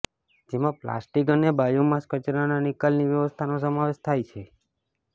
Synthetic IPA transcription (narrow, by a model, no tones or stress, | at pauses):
d͡ʒemãpla̰sʈikənebajomãskət͡ʃɾananikalniʋjəʋəst̪ʰanos̬əmaʋeʃt̪ʰajt͡ʃʰe